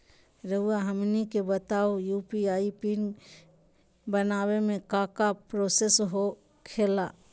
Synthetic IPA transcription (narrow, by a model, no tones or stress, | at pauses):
ɾəuaɦəmnikebət̪aːojuːpiaːipin | bənaːwemẽkaːkapɾoːsesɦo | kʰeːlaː